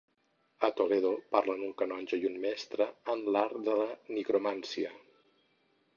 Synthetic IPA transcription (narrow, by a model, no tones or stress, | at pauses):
ət̪oleðopaɾlənuŋkənɔnʲd͡ʒəjunmɛst̪ɾəːnlaɾd̪ələnikɾomansiə